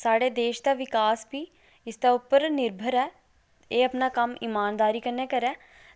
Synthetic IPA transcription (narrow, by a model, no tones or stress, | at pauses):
saːɽeːd̪eːʃd̪aːʋɪkaːsbʱiː | ɪsd̪aːʊpːəɾnɪɾbʱəɾɛː | eːəpnaːkəmiːmaːnd̪aːɾiːkəɾneːkəɾɛː